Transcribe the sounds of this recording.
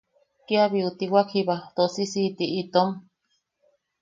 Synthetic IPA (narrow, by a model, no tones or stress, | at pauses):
kiaβiut̪iwakʰiβat̪osisit̪iit̪om